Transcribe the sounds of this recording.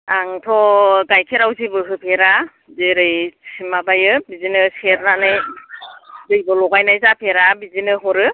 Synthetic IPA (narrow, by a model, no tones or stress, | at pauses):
aŋtʰɔɡajkʰeɾawzibɯɦɯpʰeɾa | zeɾɯjsʰimabajɯbizinɯseɾnanɯj | dɯjbɔlɔɡajnajzapʰeɾabizinɯɦɔɾɯ